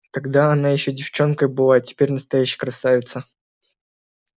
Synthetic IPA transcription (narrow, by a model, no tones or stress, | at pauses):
t̪ɐɡd̪aɐnajɪɕːɵdʲɪft͡ɕo̞nkəjbɨlˠatʲɪ̥pʲeɾʲnəst̪ɐjæɕːɪjəkɾɐsavʲɪt̪sə